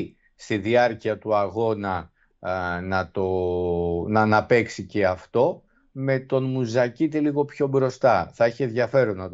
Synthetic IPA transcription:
st̪iðiɐɾciɐt̪uɐɣo̞nɐ | nɐt̪o̞ | nɐːnɐpe̞ksice̞ɐft̪o̞ | me̞t̪o̞nmuzɐcit̪eliɣo̞pço̞bɾo̞st̪ɐθɐiçeðʝɐfe̞ɾoznɐt̪

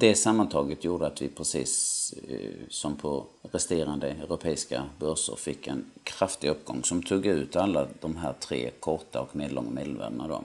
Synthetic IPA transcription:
d̪ɛsamːant̪ʰɑːɡət̪juːɖəat̪vɪpʰɾɛsḭːs | ɔmpʰɔɾɛst̪eːɾand̪əœɾʊpʰɛːɪska̰bœɾʂə̰ɾfɪkːɛnkʰɾaft̪ɪɵpːɡɔ̰ŋːsɔmt̪ʰuːɡʉ̟ːt̪alːad̪ɔmɦæːɾt̪ʰɾḛːkʰɔɾʈ̪aɔkmeːd̪lɔ̰ŋːameːd̪lvæ̰ɾɖənad̪ɔ̰

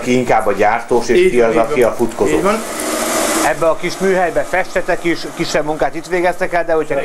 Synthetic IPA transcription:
kiiŋkaːbːɒɟaːrt̪oːʃeːʃkiɒzɒkiɒfut̪ko̞zoː | ɛbːɛɒkiʃmyːɦɛjbɛfɛʃt̪ɛt̪ɛkiʃkiʃːɛbmuŋkaːt̪it̪ʋeːɡɛst̪ɛkɛld̪ɛho̞cʰɒ

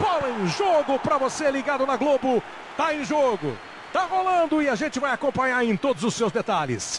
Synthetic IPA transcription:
fɔlɐẽj̃ʒoɡʊpɾɐvoseliɡad̪ʊnɐɡlobʊ | t̪aẽj̃ʒoɡʊ̰ | t̪aɦolɐ̃nd̪ʊɪaʒẽnt͡ʃɪvajakõmpɐ̃ɲaɾẽj̃t̪od̪ʊzʊsːewzd̪et̪alɪ̰s

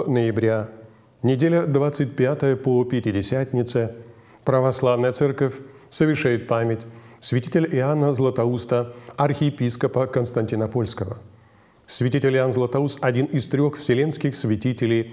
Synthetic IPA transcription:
nəjɪbɾʲa | nʲɪdʲelʲəd̪vat̪sɨt̚ʲpʲat̪əjəpopʲɪtʲɪdʲɪsʲæt̪ʲnʲɪt̪sə | pɾəvɐslˠavnəjət̪sɛrkəfʲ | səvʲɪrʂajɪt̪̚pamʲɪtʲsʲvʲɪtʲitʲɪlʲɪanːəzlˠət̪ɐust̪əɐrxʲɪjɪpʲiskəpəkənst̪ɐnʲtʲɪnɐpo̞lʲskəvə | svʲɪtʲitʲɪlʲɪanzlˠət̪ɐust̪ɐdʲinɪst̪ɾʲo̞xfsʲɪlʲe̞nskʲɪxsvʲɪtʲitʲɪlʲɪj

